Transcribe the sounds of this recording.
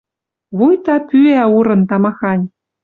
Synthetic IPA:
βujt̪ɑpyæuɾɤ̆nt̪ɑmɑxɑnʲ

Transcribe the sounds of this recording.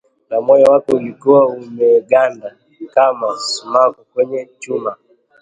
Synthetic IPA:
namɔjawakɔulikuwaumɛɡanda | kamasumakukwɛɲɛt͡ʃuma

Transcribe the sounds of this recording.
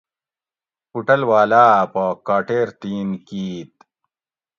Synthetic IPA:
puʈɐlwaːlaːpakaːʈeːɾt̪iːnkiːt̪̚

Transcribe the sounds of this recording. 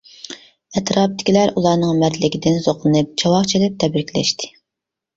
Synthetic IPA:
ɛt̪ɾɑp̚t̪ʰɪ̥kʲʰilæɾulˠɑɾnɨŋmæɾd̪lɪɡʲid̪ɪnzoqlˠɨnɨp̚t͡ʃʰɑwɑqt͡ʃʰid̪ɪp̚t̪ʰɛbɾɪkʲʰlɛ̰ʃt̪ʰɪ̥

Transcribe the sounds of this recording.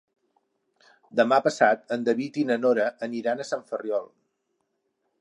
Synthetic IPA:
d̪əmapəsat̪̚ənd̪əβit̪inənoɾəʔəniɾanəsaɱfərjɔlˠ

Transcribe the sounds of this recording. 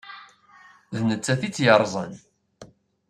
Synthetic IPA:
ðnət͡sːæθit͡sːjəɾˤzˤə̰n

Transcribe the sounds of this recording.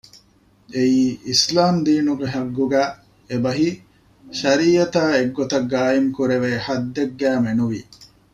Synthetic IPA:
eiːislaːmd̪iːnuɡeɦɐɡːuɡæː | ebɐɦi | ʃɐɾiːɐt̪aːeɡːot̪ɐɡːaːjimkuɾeʋeːhɐd̪ːeɡːæːmenuʋiː

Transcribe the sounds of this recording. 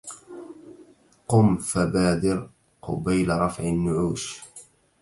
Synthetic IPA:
qʊmfabaːd̪ɪɾ | qʊ̰bajlaɾˤɑfʕɪnːʊʕuːʃ

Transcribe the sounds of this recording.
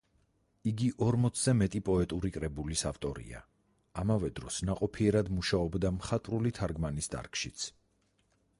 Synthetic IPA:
iɡiʔɔɾmɔt̪sʰzɛmɛt̪ʼipʼɔɛt̪ʼuɾikʼɾɛbulisaft̪ʼɔɾḭa̰ | amavɛd̪ɾɔsnaqʼɔpʰiɛɾad̪muʃaɔbd̪amχat̪ʼɾulit̪ʰaɾɡmanisd̪a̰ɾkʰʼʃit̪sʰ

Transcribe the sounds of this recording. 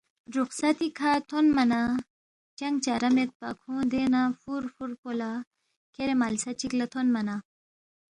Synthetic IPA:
ɾuqsat̪ikʰat̪ʰonmɐna | t͡ɕɐŋɡt͡ɕaɾɐmet̪̚pa̰kʰõːd̪enafuɾfuɾpola | keɾemalsat͡ɕiklat̪ʰonmɐna

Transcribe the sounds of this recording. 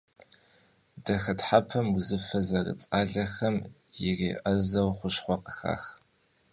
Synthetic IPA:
dɐxɐtħapʰɐmwzɨfɐzɐrɨ̰t͡sʼaːɮɐxɐm | jɪreːʔɐzɐwχʷʊʃχʷɔqə̥xa̰ːx

